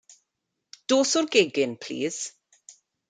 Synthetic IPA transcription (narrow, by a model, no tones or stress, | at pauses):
d̥oːsʊrɡeɡɪnpʰl̥ḭːz̥